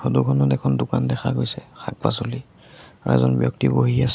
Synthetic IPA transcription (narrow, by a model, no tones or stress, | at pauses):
xodukʰɔnɔdɛkʰɔndʊkandɛxʰaɡojsɛxʰak̚pa̰soli | aɹɛ̰zɔnbjɔk̚tiboɦias